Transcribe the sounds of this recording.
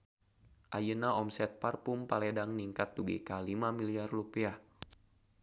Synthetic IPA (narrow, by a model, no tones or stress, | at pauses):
ʔajənaɔmsɛt̪̚parpumpalɛdaŋniŋkat̪̚duɡḭkalimamiliarlupiah